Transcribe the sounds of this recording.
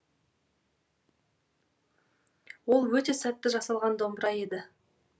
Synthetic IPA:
wo̞lˠwɵt̪e̞sæt̪ːɪʒɑsɑlˠʁɑnd̪o̞mbəɾɑje̞d̪ɪ

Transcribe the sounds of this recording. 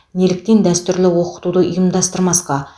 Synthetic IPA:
ne̞lɪk̚t̪e̞nd̪æst̪ʏɾlɪwo̞qə̥t̪ud̪əʔʊjəmd̪ɑst̪əɾmɑsqɑ

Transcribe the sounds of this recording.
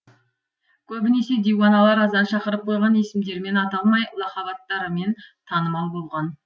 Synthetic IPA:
kʲʰɵbɪne̞se̞d̪ijwɑnɑlˠɑɾɑzd̪ɑnʃɑqəɾəp̚qʰo̞jʁɑne̞sɪmd̪e̞ɾme̞nɑt̪ɑlˠmɑjlˠɑχɑβɑt̪ːɑɾəme̞nt̪ʰɑnəmɑlˠbo̞lˠʁɑn

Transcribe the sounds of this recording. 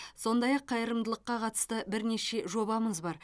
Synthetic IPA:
so̞nd̪ɑjɑqʰːɑjəɾəmd̪əlˠəqːɑqʰɑt̪ə̥st̪əbɪɾne̞ʃe̞ʒo̞bɑməzbɑɾ

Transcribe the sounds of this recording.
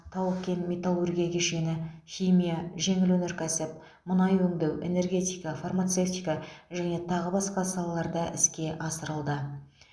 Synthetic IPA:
t̪ʰɑwəkʲe̞nme̞t̪alˠurɡʲijakʲʰeʃe̞nɪxʲimʲijaʒe̞ŋɪlwɵnɪɾkʲʰæsɪp̚ | mʊnɑjwɵŋd̪ewʔe̞̰ne̞rɡʲe̞t̪ijkafarmat̪se̞ft̪ijkaʒæne̞t̪ʰɑʁəbɑsqɑsɑlˠɑlˠɑɾd̪ɑʔɪ̰skʲe̞ʔɑsəɾəlˠd̪ə

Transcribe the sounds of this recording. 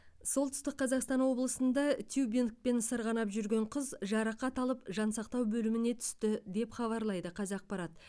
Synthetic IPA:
so̞lˠt̪ʏ̥st̪ɪk̚qʰːɑzɑqst̪ɑnwo̞blˠəsənd̪ɑt̪ʰjubink̚pe̞nsəɾʁɑnɑpʒʏɾɡʲe̞ɴqʰəzʒɑɾɑqɑt̪ɑlˠəpʒɑnsɑqt̪ɑwbɵlɪmɪne̞t̪ʰʏ̥st̪ɪd̪e̞pχɑβɑɾlˠɑjd̪əqʰɑzɑq̚pɑɾɑt̪

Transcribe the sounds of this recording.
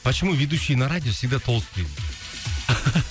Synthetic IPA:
pɐt͡ʃɪmuvʲed̪uʃːɪjənaɾadʲɪjofsʲɪɡ̚d̪at̪ʰo̞lˠst̪n

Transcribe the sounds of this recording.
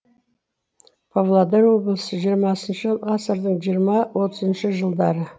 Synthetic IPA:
pʰovlˠad̪eɾwo̞blˠəsəʒijəɾmɑsənʃəʁɑsəɾd̪əɴʒijəɾmɑwo̞t̪ʰəzənʃəʒəlˠd̪ɑɾə

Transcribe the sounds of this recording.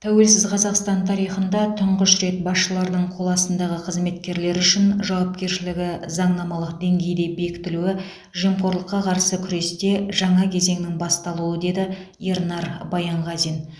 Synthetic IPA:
t̪ʰæwe̞lsɪzqʰɑzɑqst̪ɑnt̪ʰɑɾijχənd̪ɑt̪ʰʊɴʁəʃɾe̞t̪̚bɑsʃəlˠɑɾd̪əɴqʰo̞lˠɑsənd̪ɑʁəqʰəzme̞t̪kʲe̞ɾle̞ɾʏʃɪnʒɑwɑp̚kʲe̞ɾʃɪlɪɡʲɪzɑɴnɑmɑlˠəqd̪e̞ŋɡʲe̞jd̪e̞be̞kʲɪ̥t̪ɪluɪ | ʒijəmqo̞ɾlˠəqːɑqʰɑɾsəkʲʰʏɾe̞st̪e̞ʒɑɴɑkʲʰe̞ze̞ŋnɪŋbɑst̪ɑlˠuəd̪e̞d̪ɪjeɾnɑɾbɑjɑɴʁɑzin

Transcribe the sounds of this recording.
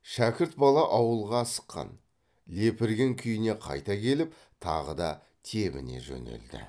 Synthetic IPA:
ʃækʲɪɾt̪̚bɑlˠɑʔɑwəlˠʁɑsə̥qːɑ̰n | le̞pɪɾɡʲeŋkʲʰʏjɪne̞qʰɑ̰jt̪ɑkʲʰe̞lɪp | t̪ʰɑ̰ʁəd̪ɑ | t̪ʰe̞mɪ̰ne̞̰ʒɵ̰ne̞̰ld̪ɪ̰

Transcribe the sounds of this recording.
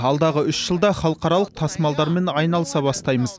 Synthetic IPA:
ɑlˠd̪ɑʁəʏsʒ̥əlˠd̪ɑχɑlˠəqɑɾɑlˠəq̚t̪ʰɑsmɑlˠd̪ɑɾme̞nɑjnɑlˠəsɑbɑst̪ɑjməz

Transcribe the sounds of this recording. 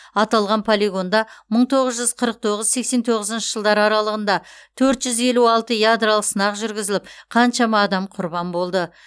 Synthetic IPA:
ɑt̪ɑlˠʁɑnpʰolʲiɡo̞nd̪ɑməɴt̪ʰo̞ʁəzʒʏzqʰəɾəq̚t̪ʰo̞ʁəzse̞kse̞nt̪ʰo̞ʁəzənʃəʒəlˠd̪ɑɾɑɾɑlˠəʁənd̪ɑt̪ʰɵɾt̪ʒ̥ʏze̞luɑlˠt̪əjad̪ɾalˠəqsənɑqʒʏɾɡʲɪzɪlɪpqʰɑnʃɑmɑːd̪ɑmqʰʊɾbɑmbo̞lˠd̪ə

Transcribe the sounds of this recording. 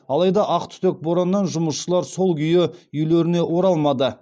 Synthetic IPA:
ɑlˠɑjd̪ɑʔɑqt̪ʰʏ̥t̪ek̚boɾɑnːɑnʒʊməsʃəlˠɑɾso̞lˠɡʲʰʏjɪʏjleɾɪne̞ʔwo̞ɾɑlˠmɑd̪ə

